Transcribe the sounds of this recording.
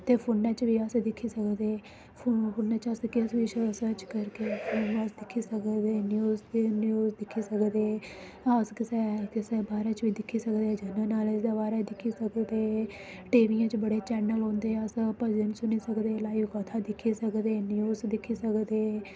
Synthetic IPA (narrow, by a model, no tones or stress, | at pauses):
t̪eːpʰoːnãːt͡ʃʋiːəsd̪ɪkʰːiːsəkd̪eː | pʰopʰʊːnãːt͡ʃəskɪsʋiːsəsəɾt͡ʃkəɾkeːoːnasd̪ɪkʰːiːsəkd̪eːnjuːznjuːzd̪ɪkʰːiːsəkd̪eː | əskɪsekɪsbaːɾaːt͡ʃʋiːd̪ɪkʰːiːsəkd̪eːd͡ʒənənaːlɪsd̪aːbaːɾad̪ɪkʰːiːsəkd̪eː | ʈeːʋiːãːt͡ʃbəɽeːt͡ʃɛːnəlɦõːnd̪eːəspəzəɳsʊniːsəkd̪eːlaːiʋkət̪ʰaːd̪ɪkʰːiːsəkd̪eːnjuːzd̪ɪkʰːiːsəkd̪eː